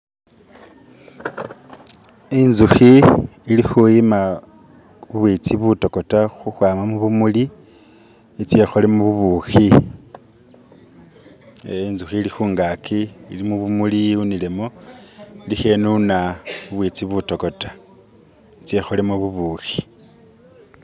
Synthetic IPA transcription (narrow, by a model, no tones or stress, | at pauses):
inzuxiːlixujima | βuβwit͡siβuto̞ko̞taxuxwaːmamuβumuli | it͡se̞xolemuβuβuxi | inzuxiːlixuːŋɡakʰiilimuβumuliunile̞mo | lixe̞nunaβuβwit͡siβuto̞ko̞tḁ | it͡se̞xolemoβuβuːxi̥